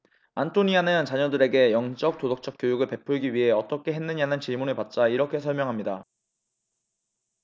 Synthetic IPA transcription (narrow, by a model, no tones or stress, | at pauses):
antʰoɲianɯnt͡ɕaɲʌdɯɾe̞ɡe̞jʌŋt͡ɕ͈ʌk̚t͈odok̚t͡ɕ͈ʌk͈jojuɡɯɭpe̞pʰuɭɡiɥiɦe̞ʌt͈ʌkʰe̞ɦe̞nːɯɲanɯnt͡ɕiɭmunɯɭpat̚t͡ɕ͈aiɾʌkʰe̞s̬ʰʌɭmjʌŋɦamɲida